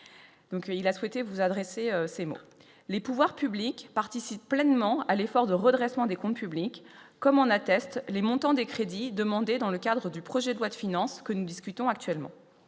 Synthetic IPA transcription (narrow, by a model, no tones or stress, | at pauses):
d̪ɔ̃kilaswɛt̪evuzad̪ʁeseøsemo̰ | lepuvwaʁpyblikpaʁt̪isipplɛnmɑ̃alefɔʁd̪əʁəd̪ʁɛsmɑ̃d̪ekɔ̃t̪pyblikː | ɔmɑ̃nat̪ɛst̪lemɔ̃t̪ɑ̃d̪ekχed̪id̪əmɑ̃d̪ed̪ɑ̃ləkad̪ʁəd̪ypχɔʒɛd̪əlwad̪əfinɑ̃skənud̪iskʲyt̪ɔ̃ak̚t̪ɥɛlmɑ̰̃